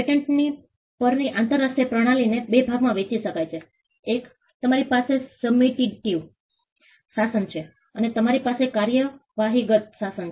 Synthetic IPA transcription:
peʈeɳʈni | pəɾniʔãnt̪əɾːasʈɾepɾəɽ̃alinebebʱaɡmãʋẽt͡ʃiʃəkajt͡ʃʰe | ek | t̪əmaɾipasesəbmiʈiʈiʋ | sasənt͡ʃʰe | ənet̪əmaɾipasekːaɾjəʋaɦiɡət̪̚ʃasən

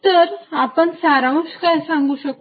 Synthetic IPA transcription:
t̪əɾapəɳsaɾaʋũskajsãŋɡuːɕək̚

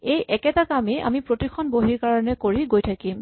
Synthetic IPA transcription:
ejʔɛkɛtakamɛʔa̰mipɹotixʰɔnboɦiɹkaɹɔnɛkoɹiɡojtʰakim

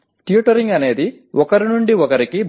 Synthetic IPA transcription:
ʈijuʈɐɾiŋɡɐne̞ːd̪i | ʔɔkɐɾinuɳɖiɔkɐɾikib

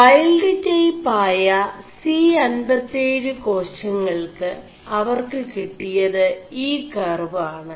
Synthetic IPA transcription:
ɐjɐlɖitːejpaːjɐsiːɐnbɐt̪ːejɾɨko̞ːɐŋːɐɭkɨ | ɐʋɐrkɨkiʈːijɐðɨiːkɐrʋaːɳɨ

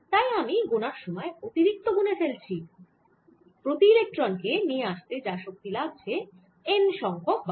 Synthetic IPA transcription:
t̪ajamiɡonaɾʃɔmɔeot̪iɾik̚t̪oɡunefelt͡ɕʰi | pɾot̪iilek̚ʈɾonkenieaʃt̪ed͡ʑaʃok̚t̪iladt͡ɕʰe | enʃɔŋkʰok̚b

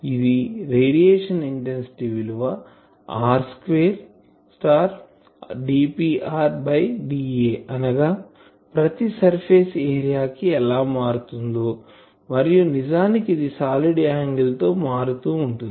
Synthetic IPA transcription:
id̪iɾeːɖijeːʂɐniɳʈensi̥ʈiʋiluʋa | aːɾskʋeːɾ | sʈaːɾ | ɖiːpiːʔaːɾbɐjɖiːeːɐnɐɡaː | pɾɐt̪isɐɾpʰeːseːɾijaːkiɛlaːmaːɾut̪und̪oː | mɐɾijunid͡ʒaːnikiid̪isaːliɽaːŋɡɐlt̪o̞ːmaːɾut̪uːɳʈund̪i

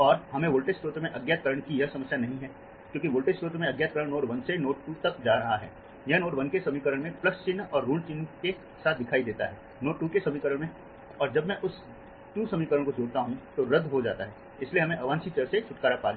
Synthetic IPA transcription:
ɔːɾɦɐmẽʋoːlʈesʈoːt̪mẽʔɐɡjat̪̚kəɾəɽ̃kijɐɦsɐməsjanɐɦĩɦɛː | kjõːkiʋoːlʈesʈoːt̪mẽɐɡjaːt̪̚kəɾəɽ̃noːʈʋɐnsenoːʈʈut̪ɐkd͡ʒaːɾɐɦaɦɛ̰ː | jɐnoːʈʋɐnkesɐmikəɾəɽ̃mẽplɐst͡ʃɪnːɔːɾːuːɳɖt͡ʃɪnke | saːt̪̚d̪ɪkʰaːid̪eːt̪a̰ɦɛː | noːʈʈːuːkesɐmikəɾəɽmẽ | ɔːɾd͡ʒɐbmɛ̃ʔʊs | ʈuːsɐmikəɾəɽ̃kod͡ʒoːɽt̪aɦũt̪oɾɐd̪ʱɦod͡ʒa̰ːt̪aɦɛː | ɪslieɦɐmẽʔɐʋãːnsit͡ʃɐɾset͡ʃʰʊʈkaːɾapaːɡ

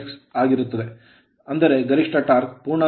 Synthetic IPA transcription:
ksaːɡiɾut̪ːɐd̪e̞ | ɐnd̪ɐɾe̞ɡɐɾiʂʈɐʈaːɾkpuːɾɳɐ

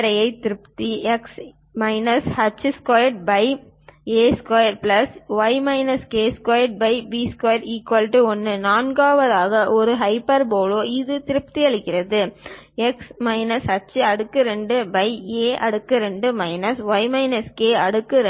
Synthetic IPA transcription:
ɾɐjɐɪt̪ɪɾɯpt̪iɛks | mɐɪnɐshɐt͡ʃːɯskaːjɐʈ̚bɐɪ | eːskɐːjɐɾplɐsʋɐɪmɐɪnɐskeːskaːjɐʈ̚bɐɪbiːskoːjɐɾiːkʋɐlʈːɯɔnːɯnaːnɡaːʋɐðaːɣɐʔɔɾɯɦɐɪpːɐɾboːloːɪðɯt̪ɪɾɯp̚t̪iɐɭɪkːɪɾɐðɯɛksmɐɪnɐshɐt͡ʃːɯɐɽɯkːɯɾɛɳɖɯbɐɪeːʔɐɽɯkːɯɾɛɳɖɯmɐɪnɐsʋɐɪmɐɪnɐskeːɐɽɯkːɯɾ

